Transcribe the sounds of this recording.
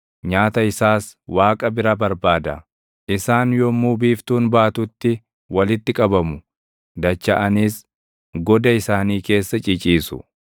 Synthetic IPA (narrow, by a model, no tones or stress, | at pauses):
ɲaːt̪ɐɪsaːswaːkʼɐbɪɾɐbɐɾbaːd̪ɐ | ʔɪsaːnjɔmuːbiːft̪uːnbaːt̪ʊt̪ːɪ | wɐlɪt̪ːɪkʼɐbɐmʊ | d̪ɐt͡ʃːɐʔɐnis | ɡɔd̪ɐɪsaːniːke̞ːsːɐt͡ʃʼɪt͡ʃʼiːsʊ̰